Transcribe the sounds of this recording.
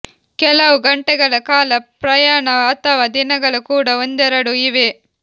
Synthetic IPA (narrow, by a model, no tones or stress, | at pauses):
kɛlɐʋuɡɐɳʈɛɡɐɭɐkaːlɐpɾɐjaːɳɐɐt̪ɐʋaːd̪inɐɡɐɭukuːɽɐond̪ɛɾɐɽuiʋe